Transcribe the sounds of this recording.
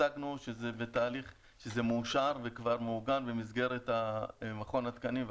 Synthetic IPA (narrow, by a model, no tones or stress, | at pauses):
aknuʃezebet̪aːliχ | ʃezemuːʃaʁvekvaʁmuɡanbemizɡe̞ʁet̪amaχo̞nat̪kaniv